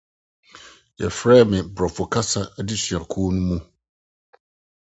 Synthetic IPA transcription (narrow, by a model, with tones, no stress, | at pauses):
jɛ̰˨fɾɛː˦mɪ̃˨bɾɔ˨fʊ˨kʰa˦sa˦di˦ɕɥa˨kʰuː˦nũ˦mũ˦